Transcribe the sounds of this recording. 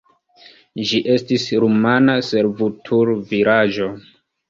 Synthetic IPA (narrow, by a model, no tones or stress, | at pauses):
d͡ʒiʔe̞stisɾumanase̞ɾvutʰuɾviɾad͡ʒo̞